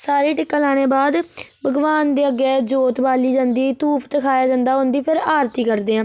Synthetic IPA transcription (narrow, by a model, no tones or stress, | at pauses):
saːɾeːʈɪkːəlaːɽ̃eːbaːd̪ | bəɡʋaːnd̪eːəɡeːd͡ʒoːt̪baːliːd͡ʒãːnd̪iːt̪uːpʰt̪əkʰaːjaːd͡ʒãːnd̪aːɦõːnd̪iːpʰɪɾaːɾt̪iːkəɾd̪eːãː